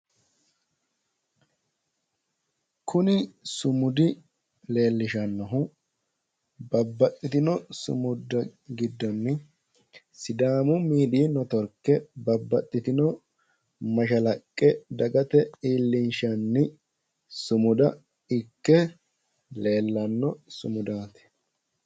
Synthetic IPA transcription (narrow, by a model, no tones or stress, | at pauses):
kʰʊnɪsʊmʊd̪ɪ | le̞ːlːɪʃɐnːɐɦʊ | bɐbːɐt̪ʼːɪt̪ɪnɔsʊ̰mʊd̪ːɐɡɪd̪ːɔnːɪ | sɪd̪aːmʊmiːd̪iːnɔt̪ɔɾkːɛbɐbːɐt̪ʼːɪt̪ɪnɔ | mɐʃɐlɐkʼːɛd̪ɐɡɐt̪ɛiːlːɪnʃɐnːɪ | sʊmʊd̪ɐ | ɪkːɛ | le̞ːlːɐnːɔsʊmʊd̪aːt̪ɛ̥